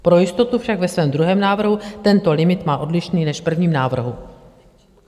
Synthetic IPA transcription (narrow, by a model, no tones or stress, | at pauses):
pɾo̞jɪst̪o̞t̪ufʃakvɛsvɛːmd̪ɾuɦɛːmnaːvr̩ɦut̪ɛnt̪o̞lɪmɪt̪maːʔo̞dlɪʃniːnɛʃpr̩vɲiːmnaːvr̩ɦu